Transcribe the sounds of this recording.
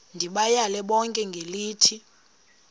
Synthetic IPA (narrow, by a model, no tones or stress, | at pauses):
ndʱiɓajalɛɓɔŋkʼɛŋɡʱeliːtʰi